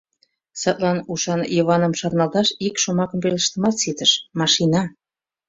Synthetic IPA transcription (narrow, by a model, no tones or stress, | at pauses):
sɑt̪lɑnuʃɑnjoβɑnəmʃɑrnɑlt̪ɑʃikʃomɑkəmpeləʃt̪əmɑt̪sit̪əʃmɑʃinɑ